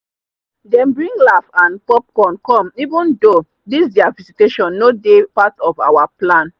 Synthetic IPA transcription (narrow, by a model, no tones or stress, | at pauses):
dɛ̃mbɹĩŋɡlafãnpɔp̚kɔ̃nkɔ̃mivũndo | disdɛaviziteʃɔ̃nːodepatɔfa̰waplãn